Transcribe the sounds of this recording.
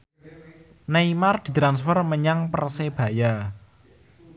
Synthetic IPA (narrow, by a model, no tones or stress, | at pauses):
naimard̪̥i̤t̪ɾansfɔrməɲaŋpərseb̥a̤ja